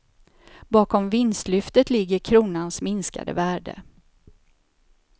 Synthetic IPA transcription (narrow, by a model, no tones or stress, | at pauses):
bɑːkɔmvɪnst̪lʏft̪ət̪lɪɡːəɾkʰɾuːnansmɪnska̰d̪ə̰væːɖə̰